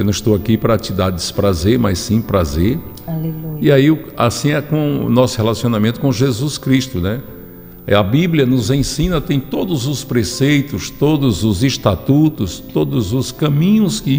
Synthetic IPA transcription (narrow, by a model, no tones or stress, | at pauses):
nɐ̃ɪʃt̪owakipɾɐt͡ʃɪd̪ad̪ɪsɪ̥pɾazeɾmajssĩpɾazeɾ | aleuiaiʊa̰sĩɛkõ̰nɔsʊhelasiõnamẽt̪ʊ̥kõʒezuskɾiʃt̪ʊnɛ | ɐbibliɐnʊzẽsĩnɐt̪ẽj̃t̪od̪ʊzʊspɾesejt̪ʊst̪od̪ʊzʊzɪʃt̪at̪ut̪ʊst̪od̪ʊzʊskɐ̃mĩɲʊskɪ